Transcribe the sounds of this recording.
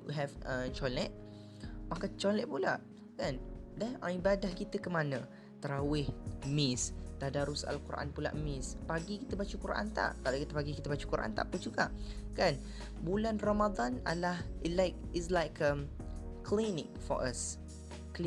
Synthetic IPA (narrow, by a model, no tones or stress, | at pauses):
wḭɦɛvət͡ʃɔlɛt̪̚ | makant͡ʃɔlɛt̪̚pulaʔ | kandɛnãibadahkit̪əkəmanə̃ | t̪əɾawɪhmɪst̪adaɾʊsa̰lkuɾʔa̰npula̰ʔmɪ̃spaɡikit̪əbat͡ʃəkuɾʔa̰nt̪a̰ʔkalokit̪əpaɡikit̪əbat͡ʃəkuɾʔa̰nt̪a̰ʔpʊnd͡ʒuɡa̰ʔkan | bulanramad̪ana̰lahlaɪk̚ɪslajkʰəmkʰlinɪ̰̃ŋfɔ̰ɹʔas | kl